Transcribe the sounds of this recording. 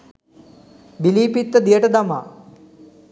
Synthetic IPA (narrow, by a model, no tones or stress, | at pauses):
biliːpit̪ːəd̪ijəʈəd̪amaː